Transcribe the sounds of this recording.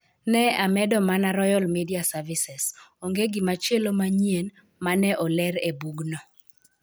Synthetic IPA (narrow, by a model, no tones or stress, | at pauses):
nɛamɛdɔmanaɾɔjɔlmidiasavisɛsoŋɡeɡɪmat͡ʃelomaɲien | manɛʔɔlɛɾebuɡnɔ